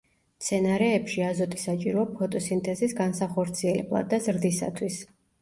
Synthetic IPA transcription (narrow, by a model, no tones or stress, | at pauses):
t̪sʰɛnaɾɛːpʃiazɔt̪ʼi̥sat͡ʃʼiɾɔapʰɔt̪ʼɔsint̪ʼɛzisɡansaχɔɾt̪sʰiɛlɛ̰blˠa̰d̪ːazɾd̪isa̰t̪ʰwis